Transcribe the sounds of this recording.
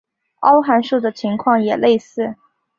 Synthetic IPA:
ɑ˥ʊxa˧˥nʂu˥˩d̪ə˩t͡ɕʰi˧˥ŋkʰwɑ˥˩ŋjɛ˨˩le˥˧ɪsɹ̩˥˩

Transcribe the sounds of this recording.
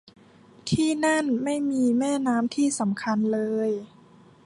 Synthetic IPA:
t̪ʰiː˥˩na˥˩nma˥˩jmiː˧mɛː˥˩naː˦˥mt̪ʰiː˥˩sa˩˦mkʰa˧nlɤː˧j

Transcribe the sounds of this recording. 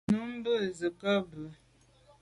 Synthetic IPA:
nu˦m̩˦bə˦˨zə˨kə˦bə˨

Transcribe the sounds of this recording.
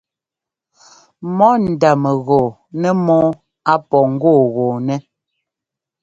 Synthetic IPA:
mɔ˦n̩˨da˨mɛ˨ɣɔ˨ | nɛ˦mɔ˦ | a˦pɔ˨ŋ̩˦ɡoː˦˨ɣɔː˨nɛ˦

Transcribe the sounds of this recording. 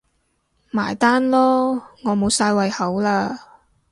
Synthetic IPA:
maː˨˩jt̪aː˥nlɔː˥ŋɔː˨˧mo˨˧wsaː˧jwɐ˨jhɐ˨˥wlaː˧

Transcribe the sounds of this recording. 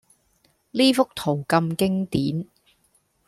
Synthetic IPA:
liː˥fʊ˥k̚t̪ʰo˨˩wkɐ˧mkɪ˥ŋt̪iː˨˥n

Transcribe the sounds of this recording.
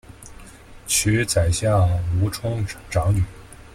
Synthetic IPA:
t͡ɕʰy˧˥t͡sa˨˩ɪɕja˥˩u˧˥ʈ͡ʂʰʊ˥ŋʈ͡ʂɑ˧˥ŋny˨˩˦

